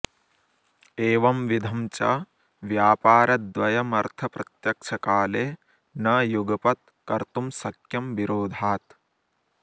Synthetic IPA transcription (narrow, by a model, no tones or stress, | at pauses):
eːʋɐmʋid̪ʱɐmt͡ʃɐ | ʋjaːpaːɾɐt̪̚d̪ʋɐjɐmɐɾt̪ʰɐpɾɐt̪jɐkʂʰɐkaːleː | nɐjuɡɐpɐt̪̚ | kɐɾt̪umsɐkjɐmʋiɾoːd̪ʱaːt̪